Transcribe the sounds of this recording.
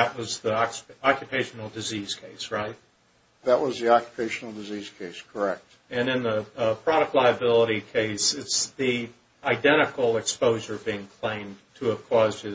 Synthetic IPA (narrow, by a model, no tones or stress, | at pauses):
ɨʔ̚wʌzðiɑkjɨpʰeɪʃn̩l̩ˠdɨziz̥kʰeɪsɹaɪt̚ | ðəʔ̚wʌzðiɑkjə̥pʰeɪʃnl̩ˠdɨziz̥kʰeɪskʰə˞ɛk̚t̚ | ɨ̃nɨ̃nðəpʰɹ̥ɑɾɨk̚tˡlaɪɨbɪlˠəɾikʰeɪsɨtsði | aɪdɛ̃ɾ̃ɨkl̩ˠɨkspoʊʒə˞biɪ̃ŋkʰl̥ẽɪ̃mtʰɨːv̥kʰw̥ɔzdɨ